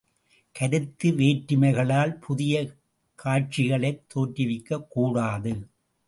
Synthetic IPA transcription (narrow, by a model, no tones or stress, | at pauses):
kɐɾɯt̪ːɯʋeːʈːɪmɐɪɣɐɭaːlpʰʊðɪjɐ | kʰaːʈ̚t͡ʃɪɣɐɭɐɪt̪ʰːoːʈːɪʋɪkːɐkːuːɽaːðɯ